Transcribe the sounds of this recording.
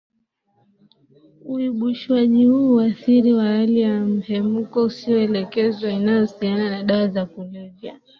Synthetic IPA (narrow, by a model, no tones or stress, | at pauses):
uiɓuʃwaʄihuːwaθiɾiwahalijam̩hɛmukɔusiɔɛlɛkɛzwainajɔsiananaɗawazakulivja